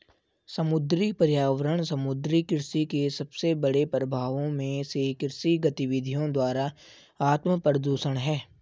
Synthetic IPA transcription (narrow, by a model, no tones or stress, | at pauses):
sɐmʊd̪ɾipəɾjaːʋəɾəɽ̃sɐmʊd̪ɾikɪɾsikesɐbsebɐɽepɾəbʱaːʋõmẽsekɪɾsiɡɐt̪ɪʋɪd̪ʱijõd̪waːɾa | aːt̪məpəɾəd̪oːʃəɽ̃ɦɛː